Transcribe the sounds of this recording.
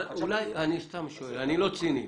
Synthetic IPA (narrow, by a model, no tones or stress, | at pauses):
ulajanist̪amʃoanilot͡sini